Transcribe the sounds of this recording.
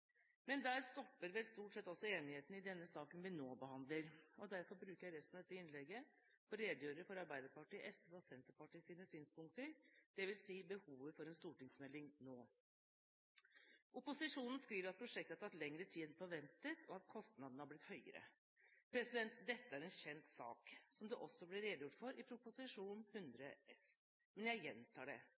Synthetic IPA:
mɛnd̪æːɾst̪ɔpːəɾʋɛlst̪uːʈsɛt̪ːɔsːɔeːnɪheːt̪n̩ɪd̪ɛnːəsɑːkənʋɪnoːbəhɑnd̪ləɾɔd̪æɾfɔɾbɾʉːkəɾjæɪɾɛst̪n̩ɑd̪ɛt̪ːəɪnlɛɡːə | pʰɔɾeːd̪ɪjøːɾəfɔɾɑɾbæɪd̪əɾpɑʈiːʔɛsʋəɔsɛnt̪əɾpɑʈiːsiːnəsyːnspʊŋkt̪əɾd̪̥ɛʋɪlsiːbəhuːʋəfɔɾɛnst̪uːʈɪŋsmɛlːɪŋnoː | ʔʊpʊsɪʂuːnn̩skɾiːʋəɾɑt̪̚pʰɾʊʂɛkt̪əɑt̪ʰɑt̪lɛŋɾət̪ʰiːd̪fɔɾʋɛnt̪ət̪ʰɔɑt̪̚kʰɔst̪nɑd̪nəhɑɾblɪt̪hœʏə̰ɾə̰ | pʰɾɛsɪd̪ɛnt̪d̪ɛt̪ːəæɾɛnɕɛnt̪sɑ̰ːksɔmd̪ɛʔɔsːɔblɪɾeːd̪jʊʈːfɔɾʔɪpʰɾʊpʊsɪʂuːnhʉnd̪ɾəɛs | mɛnjæɪjɛnt̪ʰɑ̰ːɖɛ̰

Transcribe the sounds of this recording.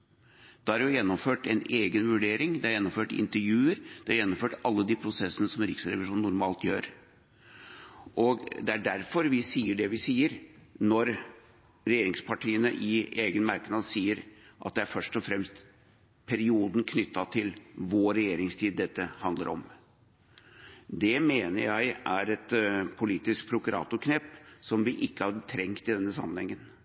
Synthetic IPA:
d̪̥ɑæɾjʊjɛnːɔmføːʈɛneːɡənʋʉɖeːɾɪŋd̪ɛæɾjɛnːɔmføːʈɪ̰nt̪əɾjʉːəɾd̪̥ɛæɾjɛnːɔmføːʈɑlːəd̪iːpʰɾʊsɛsːənəsɔmɾɪksɾɛ̰ʋɪʂuːnːʊɾmɑːlt̪jøːɾ | ʔɔɡd̪ɛæɖæɾfɔɾʋɪsiːəɖɛʋɪsiːəɾnɔɾ | ɾɛjeːɾɪŋspʰɑʈʰiːənə̰ʔɪeːɡənmɑɾknɑd̪siːəɾʔɑ̰t̪̚d̪ɛæɾfœʂʈɔfɾɛmst̪ | pʰæɾɪuːd̪n̩kʰnʏt̪ːɑt̪ʰɪlʋoɾɛjeːɾɪŋst̪ʰiːd̪̚dːɛt̪ːəhɑnd̪ə̰ɾʔɔ̰m | d̪ɛmeːnəɾjæɪʔæɾɛt̪pʰʊliːt̪ɪskpʰɾʊkʉɾʔɑ̰ːt̪ʊɾkʰnɛːpːsɔmʋɪʔɪkːəhɑɾt̪ʰɾɛŋkt̪ɪd̪ɛnːəsɑ̰mːənhɛŋːən

